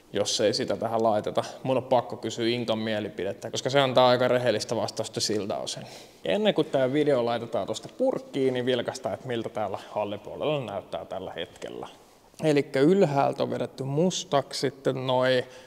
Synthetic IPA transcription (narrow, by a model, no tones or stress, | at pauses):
josːeisit̪æt̪æhællɑit̪et̪ɑmunːoppɑkːokysyːiŋkɑmmielipidet̪ːækoskɑseɑnt̪ɑːɑikɑreɦelːist̪æʋɑst̪ɑust̪ːɑsilt̪ɑ̰osen | jḛnːeŋkut̪t̪æːʋideolɑit̪et̪ɑːt̪ost̪ɑ̥purkːiːniʋilkɑst̪ɑːet̪milt̪æt̪æːlːæhɑlːipuolḛlːɑnæyt̪ːæ̰ːt̪ælːæ̰hḛt̪kḛlːæ̰ | elikːæylhæ̰ːlt̪o̰ʋʋeɾet̪ːymmust̪ɑkssit̪ːennoi